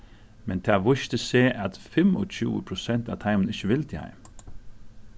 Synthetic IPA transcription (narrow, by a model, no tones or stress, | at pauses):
mɛnt̪ʰɑːʋʊʃt̪əseːʔɑt̪fɛmɔ̰c͡çʉ̰ːə̰pʰɾʊsɛnt̪ɑ̰t̪ʰɑɪmən̩ɪçəʋɪlt̪ʰɪhɑ̰ɪm